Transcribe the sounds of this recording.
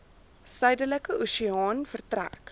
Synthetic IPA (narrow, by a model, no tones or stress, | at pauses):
sɐjdələkəʔusiɑːnfərt̪ræ̰k